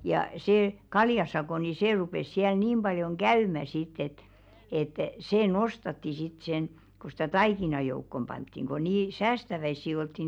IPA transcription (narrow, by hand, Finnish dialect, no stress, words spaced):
jɑ seː kɑljɑsɑkoˑ ni seˑ rupes siæl niːm b̥ɑljoŋ ɡ̊æymæ sitˑ et et seː nosˑtɑtːi sit sen ku stæ tɑikinɑ joukːom b̥ɑntːiŋ ko niː sæːstæʋæisːi oltːi